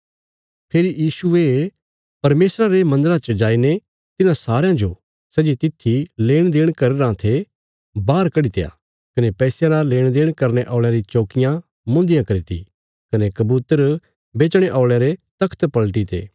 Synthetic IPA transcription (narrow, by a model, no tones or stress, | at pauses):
pʰeːɾijiːsue | pɐɾmeːsɾaɾemɐ̃nd̪əɾat͡ʃəd͡ʒaːine | t̪ɪnãsaːɾejãd͡ʒo | sɛːd͡ʒit̪ɪt̪ʰːileːɽ̃d̪eːɽ̃kɐɾeɾãt̪ʰe | baːɾkɐɽit̪ḛja̰ | kɐnepɛːsjaɾaleːɽ̃d̪eːɽ̃kɐɾneʔɔːɭ̃jãɾit͡ʃoːkɪjã | mʊ̃ːnd̪ɪjãkɐɾit̪ʰḭ | kɐnekɐbuːt̪əɾ | beːt͡ʃɽ̃eʔaːɭjeɾet̪ɐkʰt̪pɐlʈ̬it̪ʰḛː